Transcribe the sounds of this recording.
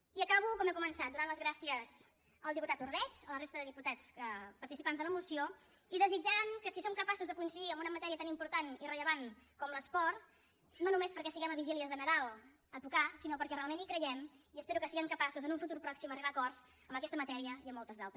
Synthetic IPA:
iəkaβ̞ukɔmɛkumənsat̪d̪unanləzɣɾasiəz | əlˠd̪iput̪at̪uɾðɛt͡ʃələrest̪əðəðiput̪at͡səpəɾt̪isipanzðələmusio | iðəzid͡ʒaŋkəsisomkəpasuzðəkuinsiðiəmbunəmət̪ɛɾiət̪animpuɾt̪anirəʎəβankɔmləspɔɾt̪ | nonumespəɾkɛsiɣɛməβiʒiliəzðənəðalˠ | ət̪ukasinopəɾkɛrealˠmenikɾəʒɛmiəspeɾukəsiɣəŋkəpasuzənuɱfut̪uɾpɾɔksiməriβakɔrz | əmbəkɛst̪əmət̪ɛɾiəiəmːɔlˠt̪əzðalˠt̪ɾə

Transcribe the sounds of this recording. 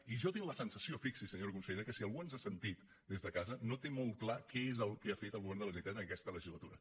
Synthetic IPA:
iʒɔt̪iŋləsənsəsiofiksisəɲoɾkunsəʎeɾəkəsiəlˠɣuənzasənt̪it̪ | d̪ezðəkazənot̪emolˠt̪̚klakɛezəlˠkeafet̪əlˠɣuβɛrnd̪ələʒnit̪at̪əəkɛst̪ələʒizlət̪uɾə̰

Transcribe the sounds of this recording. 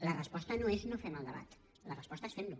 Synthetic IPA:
lərəspɔst̪ənoeznofɛməlˠd̪əβa̰t̪ | lərəspɔst̪əsfemblu

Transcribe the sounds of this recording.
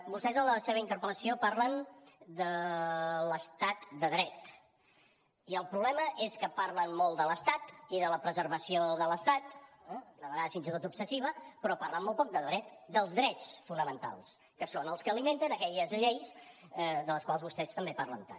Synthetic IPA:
bust̪ɛzənləseβəint̪əɾpələsiopaɾlənd̪ə | ləst̪at̪d̪əðɾɛt̪ | iəlˠpɾuβlɛməʔeskəpaɾlənmɔlˠt̪d̪ələst̪at̪iðələpɾəzəɾβəsioðələst̪at̪ɛd̪əβəɣaðəsfinzit̪ot̪upsəsiβ̞əpɾɔpaɾləmːɔlˠpɔk̚d̪əðɾɛt̪d̪əlˠzðɾɛt͡sfunəmənt̪a̰lˠs | kəsonəlˠskəlimẽnt̪ənəkɛʎəzʎejs | ɛd̪ələskwalˠzβust̪ɛst̪əmbepaɾlə̰nt̪a̰

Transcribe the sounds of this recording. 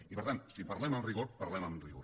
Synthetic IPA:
ipəɾt̪ansipɐɾlɛməmriɣoɾpɐɾlɛməmriɣoɾ

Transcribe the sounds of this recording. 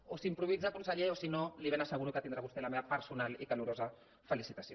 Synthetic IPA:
osimpɾuβid͡zakunsəʎeosinoliβenasəɣuɾukət̪ind̪ɾaβust̪elameβapəɾsunalikaluɾoza | fəlisit̪asio

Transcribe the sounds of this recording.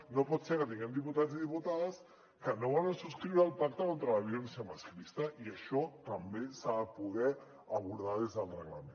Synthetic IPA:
nopɔt̪sekət̪iŋɡɛmd̪iput̪aziðiput̪aðas | kənoβɔlansuskɾiwɾalˠpak̚t̪akont̪ɾalaβ̞jonsemasklist̪aʔiaʃɔt̪ɐmbesapuðɛ | aβ̞uɾðaðezðəlreɣlamẽn

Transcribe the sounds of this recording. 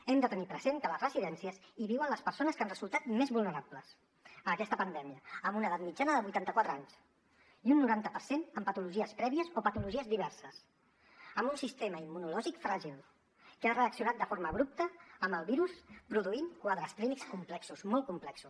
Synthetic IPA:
ɛmd̪ət̪ənipɾəzent̪ələzrəziðɛnsiəziβiwənləspəɾsonəskanrəzulˠt̪at̪mezβulˠnəɾapləs | əːkɛst̪əpənd̪ɛmiəːmbunəðat̪mid͡ʒanəðəβujt̪ant̪əkwat̪ɾəaɲs | iunːuɾant̪əpəɾsenəmpət̪uluʒiəspɾɛβiəzopət̪uluʒiəzðiβ̞ɛɾsəs | əmbunsist̪eməimːunulɔʒikfɾaʒilˠ | kəarəəksiunat̪̚d̪əfoɾməːβɾup̚t̪əːmbəlˠβiɾuspɾuðuinkwaðɾəst̪limikskumplɛksusmɔl̚ˠkumplɛksus

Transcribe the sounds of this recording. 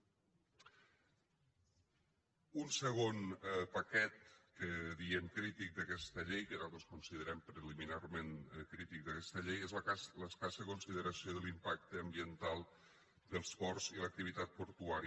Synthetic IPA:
unsəɣ̞onpəkɛt̪̚kəðiɛmkɾit̪ik̚d̪əkɛst̪əʎejkəzalˠt̪ɾoskunsiðəɾɛmpɾəliminarmenkɾit̪ik̚d̪əkɛst̪əʎejezlələskasəðəkunsiðəɾəsioðəlimpak̚t̪əːmbiənt̪alˠ | d̪əlˠspɔrzilək̚t̪iβ̞it̪at̪̚puɾt̪uaɾi

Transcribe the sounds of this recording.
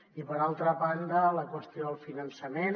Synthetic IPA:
ipəɾalˠt̪ɾəβand̪ələkwəst̪ioəlˠfinənsəmen

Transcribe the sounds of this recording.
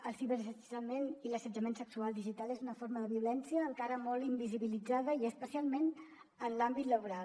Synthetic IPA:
əlˠsiβəɾsəsəmeniləsəd͡ʒəmensəksualˠd̪iʒit̪alˠezunəfoɾməðəβiulɛnsiəːŋkaɾəmɔlˠimbiziβilid͡zaðəiəspəsialˠmen | ənlambit̪ləβuɾal

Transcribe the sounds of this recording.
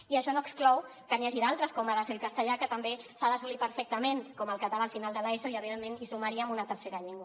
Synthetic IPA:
iəʃɔnoəksklɔw | kəniaʒiðalˠt̪ɾəskomaðazðəlˠkast̪əʎakət̪əmbesaðəsulipəɾfɛk̚t̪əmeŋkoməlˠkat̪alalfinalˠd̪əlaezoiəβiðemːenisumaɾiamunət̪əɾseɾaʎiŋɡwa

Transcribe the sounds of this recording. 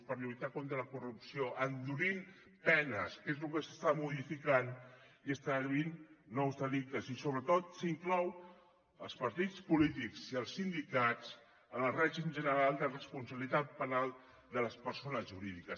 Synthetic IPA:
pəɾiβit̪akont̪ɾələkurupsioʔənd̪uɾin | pɛnəskezlukəsə̥st̪amuðifikaniəst̪aləβinːɔwzðəlik̚t̪əzisoβɾət̪ot̪siŋklɔw | əlˠspɐɾt̪it͡spulit̪ikz̥iəlˠsːind̪ikat͡s | ənəlˠrɛʒimʒənəɾalˠd̪ərəspunsəβilit̪at̪̚pənalˠ | d̪ələspəɾsonəzʒuɾiðikəs

